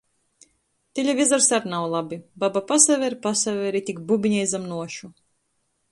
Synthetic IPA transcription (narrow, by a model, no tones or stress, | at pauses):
t̪ʲiʎʲavʲizaɾsaɾnawlˠabibabapasavʲɛɾpasavʲɛɾit̪ʲikbubʲiɲɛjzamnuɔʃu